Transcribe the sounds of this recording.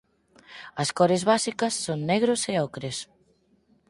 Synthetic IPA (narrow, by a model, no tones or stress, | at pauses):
ɐskɔɾezβasikɐsːoŋneɣɾoseɔkɾes